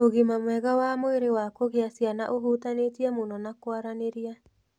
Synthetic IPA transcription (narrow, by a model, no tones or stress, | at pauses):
oɣimamwɛɣawamoeɾewakoɣeasjanaʔoɦutanetiamonɔnakwaɾaneɾia